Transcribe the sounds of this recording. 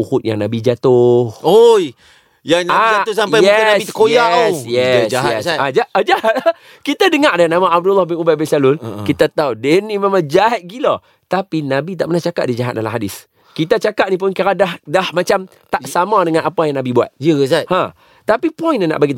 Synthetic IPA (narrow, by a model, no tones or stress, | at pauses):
uhʊt̪̚ja̰ŋnabid͡ʒat̪ʊhoj | jaŋnaiat̪ʊsampajɛnait̪ə̥kojasjɛsd͡ʒaɦaɛsad͡ʒaad͡ʒahat̪̚ | kit̪adəŋaʔdanamaʔab̚dulːɔhbɪnubat̪̚bɛsalʊlkit̪at̪audɛnimãmad͡ʒaɦat̪̚ɡilɔ | t̪apinabit̪aʔpənaht͡ʃaka̰ʔ̚did͡ʒaɦat̪̚dalamɦadɪs | kit̪at͡ʃakaʔ̪̚nip̬ʊnkaɾadahdahmat͡ʃam | t̪aʔsamãdəŋãnapajaŋnabibua̰t̪̚jəzat̪hã | t̪apipɔjnana̰ʔbaɡit̪